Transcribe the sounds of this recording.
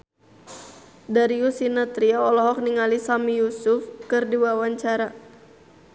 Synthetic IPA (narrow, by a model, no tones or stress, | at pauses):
daɾiusinat̪ɾiaɔlɔɦɔk̚niŋalisamijusʊfkɨrdiwawaɲt͡ʃaɾa